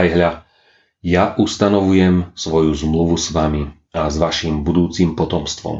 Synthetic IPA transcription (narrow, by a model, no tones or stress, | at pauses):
jɦʎa | jaʔust̪anɔʋujɛmsʋɔjuzmluʋusʋami | azʋaʃimbud̪uːt͡simpɔt̪ɔmst̪ʋɔ̰m